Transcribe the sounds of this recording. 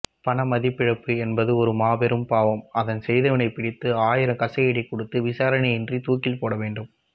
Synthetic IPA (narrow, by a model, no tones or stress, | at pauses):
pɐɳɐmɐðɪpːɪɻɐpːɯɛnbɐðɯɔɾɯmaːbɛɾɯmpaːʋɐmɐðɐnsɛjðɐʋɐnɐɪpɪɽɪt̪ːɯaːjɪɾɐmkɐsɐeɽikːɔɽɯt̪ːɯʋɪsaːɾɐnɐɪɛndrit̪uːkːɪlpoːɽɐʋeːɳɖɯm